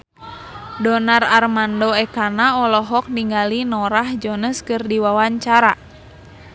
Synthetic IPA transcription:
dɔnararmandoɛkanaɔlɔɦɔk̚niŋɡalinɔɾahd͡ʒɔnəskɨrdiwawaɲt͡ʃaɾa

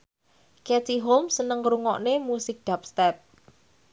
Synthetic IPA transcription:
kɛt̪iɦolmsənəŋɾuŋɔʔnemusɪk̚d̪̥ap̚st̪ɛp̚

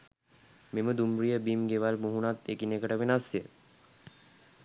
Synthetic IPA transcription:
meməd̪umrijəbimɡeʋalmuɦunat̪ekinekəʈəʋenasjə

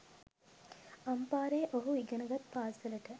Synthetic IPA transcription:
ɐmpaːɾeːʔoɦuiɡɐnɐɡɐt̪paːsɐlɐʈə

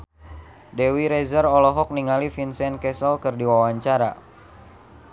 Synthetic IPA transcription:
dɛwiɾɛzərɔlɔɦɔk̚niŋalifinsɛnkɛsɔlkɨrdiwawaɲt͡ʃaɾa

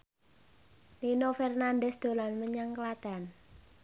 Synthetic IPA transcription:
linofɛrnandɛsd̪̥o̤lanməɲaŋklad̪̥a̤n

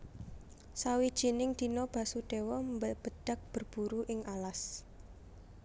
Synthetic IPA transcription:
sawid̥ʒ̥inɪŋd̪̥i̤nɔb̥ä̤suɖ̥ewɔbb̥əd̥a̤k̚b̥ə̤rb̥ṳɾuʔɪŋalas

